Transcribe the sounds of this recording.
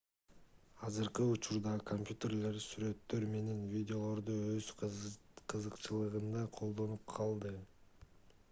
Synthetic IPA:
ɑzɯɾqɯut͡ʃuɾd̪ɑkʰomʲpʲjut̪ʲe̞rle̞ɾsyɾø̞t̪ːø̞ɾme̞ne̞nvʲidʲɪo̞lˠo̞ɾd̪uøz | qʰɯzɯqt͡ʃɯlˠɯʁɯnd̪ɑqʰo̞lˠd̪o̞nup̚qʰɑlˠd̪ɯ

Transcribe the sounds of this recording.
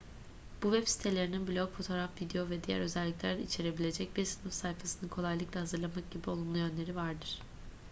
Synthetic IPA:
b̥uvɛpsi̥t̪ʰe̞lʲeɾininblʲo̞kfo̞t̪ʰo̞ːɾafvid̪ejo̞vɛd̪ijæ̰ɾø̞zɛlʲːiclʲæɾd̪ɛ̰it͡ʃʰe̞ɾe̞bilʲe̞d͡ʒɛc̚biɾsɯnɯfsajfasɯnɯkʰo̞lˠajlˠɯklˠahazɯɾlˠamak̚ɟ̥ibio̞lˠumlˠujø̞nlʲe̞ɾivaɾd̪ɯɾ̥

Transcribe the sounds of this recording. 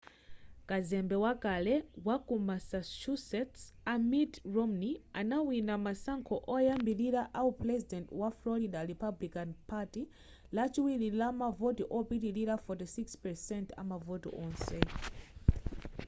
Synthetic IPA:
kazɛmbɛwakalɛwakumasaʃusɛtsamitɹɔmnia̰nawinamasaŋkʰɔʔɔjambiliɾaʔauprɛzidɛntwaflɔɾidaɾipablikanpʰati | lat͡ʃiwililamavotiʔɔpitiliɾafɔtisikspɛsɛntʰa̰mavɔtḭʔɔ̃nsɛ

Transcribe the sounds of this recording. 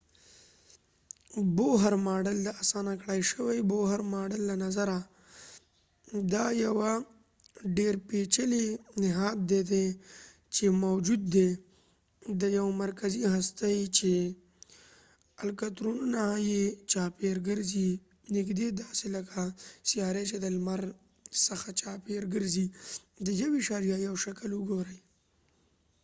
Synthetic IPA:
boɦɐɾmaːɖəld̪ɐasaːnakɽaːjʃəwajboːɦɐɾmaːɖəlːanɐzɐɾa | d̪aːjɐwa | ɖeːɾpet͡ʃəlenɪɦaːd̪̚d̪ed̪e | t͡ʃemowd͡ʒud̪ːe | d̪əjawmaɾkaziɦast̪ajt͡ʃe | alkat̪ɾununajet͡ʃɑpeɾɡəɾzi | nɪkd̪ed̪ɑselakasijɑːɾet͡ʃed̪əlmaɾ | səxat͡ʃɑpeɾɡəɾzi | d̪əjawiʃaɾjajawʃakəlʊɡoɾəj

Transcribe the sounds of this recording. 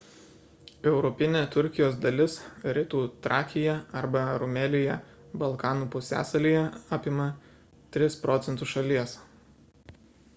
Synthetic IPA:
ɛʊɾɔpʲɪnʲeːt̪ʊɾʲkʲɪjoːsd̪ɐlʲɪsɾʲɪt̪uːt̪ɾʔɑːkʲɪjɛɐɾbɐɾʊmʲɛlʲɪjɛ | bɐlˠkɑːnuːpʊsʲæ̰ːsɐlʲiːjɛɑːpʲɪmɐ | t̪ʲɾʲɪspɾɔːt̪sʲɛnt̪ʊʃɐlʲiɛs

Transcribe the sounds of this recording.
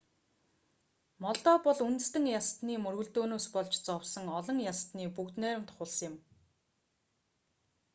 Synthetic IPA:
mɔɮt̪ɔːpɔɮunt̪̆st̪ɘ̆ŋjast̪niːmɵrɣɵ̆ɮt̪oːnoːspɔɮt͡ɕt͡sɔwsɞ̆ŋɔɮɞ̆ŋjast̪niːpukt̪næːɾɘ̆mt̪χʊɮsjɪ̆m

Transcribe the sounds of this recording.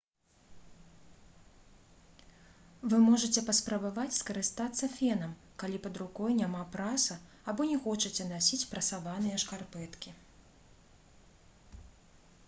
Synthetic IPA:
vɨmɔʐɐt͡sʲɛpɐspɾɐbavat͡sʲskɐɾɨst̪at̪sːɐfʲɛnɐm | kalʲipɐd̪ɾukɔjnʲamapɾasɐː | bɔnʲɛxɔt͡ʂɐt͡sʲɛnasʲit͡sʲpɾɐsavanɨjɐʂkarpɛt̪kʲi

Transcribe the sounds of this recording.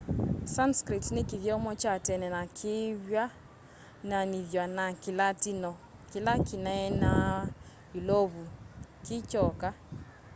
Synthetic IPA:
sanskɾitnɪkiðjɔmɔt͡ʃatɛnɛnakʰɪβja | naniðjanakilatinɔ | kilakinaɛna | julɔβukɪt͡ʃɔka

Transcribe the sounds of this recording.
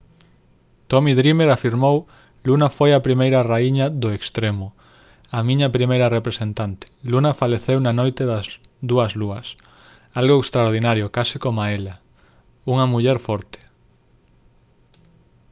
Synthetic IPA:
t̪omiðɾimeɾafiɾmow | lunɐfojapɾimejɾɐraiɲaðʊekst̪ɾemʊ | amĩɲɐpɾimejɾɐrepɾesent̪ant̪e̥lunɐfaleθewnanojt̪eðɐzðuɐzluɐs | alɣoekst̪ɾaɾð̞inaɾjʊkasɪkomaelɐ | uŋɐmuʎɛɾfɔɾt̪e̥

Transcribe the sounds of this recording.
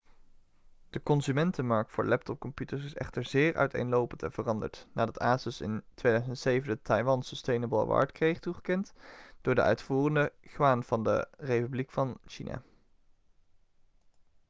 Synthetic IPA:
d̥əkɔnzymɛntənmɑɹk̚tfʊ̰ːɹlɛp̚tɔp̚kɔmpjutəɹsɪsɛ̰χtəɹzɪːɹœ̰ɥtʰḛjnlowpəntɛnv̥ərɑndə̰ɹtnaːdɑtaːzəsɪ̰ntʋejdœɥzəntsejvəndətɑjʋɑnsəstejnəbəlˠʋɑ̰ːɹtkrejχtuχəkɛntd̥ʊːɹdə̰ʔœ̰ɥtfuːrəndəχʋaːnv̥ɑndə̰rejpyblikfɑnʃinʔa̰ː

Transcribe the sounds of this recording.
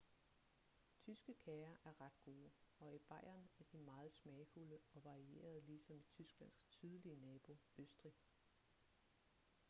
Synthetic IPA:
t͡sʰysɡ̥əkʰɛːɐʔæɐʁɑ̈d̥ɡ̥o̝ːɒ̽ib̥ɑ̈ɪ̰ɐnæɐd̥imɑ̈ːð̞̩ˠsmɛɪfuləɒ̽ʋɑ̈ʁie̝̰ːɐð̞̩ˠəliːsɒ̽mit͡sʰysɡ̥læn̰st͡sʰyð̞ˠliənɛːb̥o̝øsd̥ʁi

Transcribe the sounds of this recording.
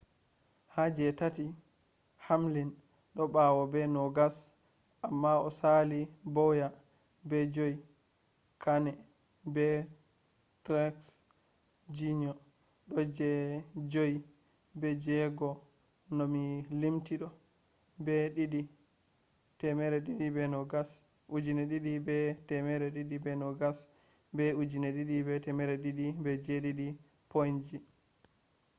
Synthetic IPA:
had͡ʒɛtati | hamlin | ɗɔɓawɔbɛnɔɡas | ʔamːaɔsalibɔja | bɛd͡ʒoi | kʰanɛ | bɛ | tɾɛks | d͡ʒiɲɔ | ɗɔd͡ʒɛd͡ʒoji | bɛd͡ʒɛɡɔ | nɔmilimtiɗɔ | bɛɗiɗi | tɛmɛɾɛɗiɗibɛnɔɡas | ʔud͡ʒinɛɗiɗibɛtɛmɛɾɛɗiɗibɛnɔɡas | bɛud͡ʒinɛɗiɗibɛtɛmɛɾɛɗiɗibɛd͡ʒɛɗiɗi | pond͡ʒi

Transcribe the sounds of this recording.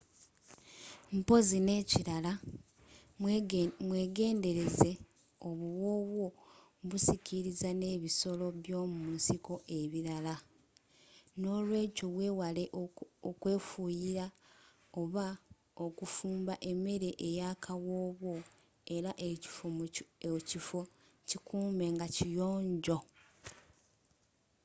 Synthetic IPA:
m̩po̞zine̞ːciɾala | mweːɡe̞ːnde̞ɾe̞ze̞ | o̞βuwo̞ːβwo̞ | βusicʰiɾizane̞ːβiso̞lo̞βjo̞ːmumusiko̞ʔe̞βiɾala | no̞ːlwe̞ːco̞βwe̞ːwale̞okwe̞ːfuːjiɾa | o̞βa | okufuːmbaʔe̞me̞ɾe̞ʔejaːkʰawoβwo̞ | e̞ɾaʔeci̥fo | cifo̞ | cikʰuːme̞ŋɡacijo̞ːɲɟo̞

